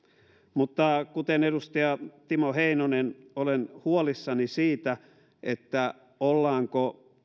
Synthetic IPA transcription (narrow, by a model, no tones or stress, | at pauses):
mut̪ːɑkut̪enedust̪ɑjɑt̪imoheinonenolenhuolisːɑnisiːt̪æ | et̪ːæ | olːɑːŋko